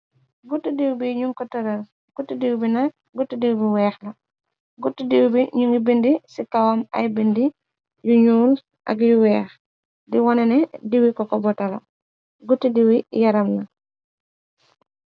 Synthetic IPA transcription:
ɡutːudiwbiɲuŋkɔtɔɾɐl | ɡ̥utːidiwbinɐk̚ | ɡutːidiwbiwɛːxlɐ | ɡutːidiwbiɲuŋibindisikawɐmɐ̰jbindi | juɲuːl | ʔɐ̰ɡjuwɛːx | diwɔnɛnɛdiwikɔkɔbɔtɐlɐ̰ | ɡutːidiwijɐɾɐmnɐ

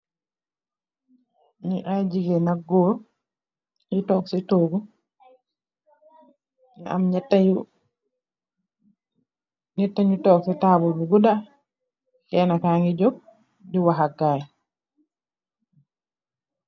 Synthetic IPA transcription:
niʔajd͡ʒiɡɛnaɡːɔɾ | ŋitɔksɛtoɡu | na̰mɲɛtːau | ɲɛtːaɲutɔksɛtaːbɔbuɡuda | kɛnakaŋɡid͡ʒɔb̚ | diwaɦaɡaj

